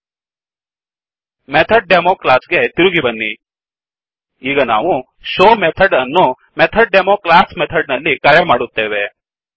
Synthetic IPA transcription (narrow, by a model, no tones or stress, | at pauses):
met̪ʰɐɖ̚ɖemoːklaːsɡet̪iɾuɡibɐnːi | iːɡɐna̰ːʋu | ʃoːmet̪ʰɐɖɐnːu | met̪ʰɐɖ̚ɖemoːklaːsmet̪ʰɐɖnɐlːikaːɾjɐmaːɽut̪ːeːʋe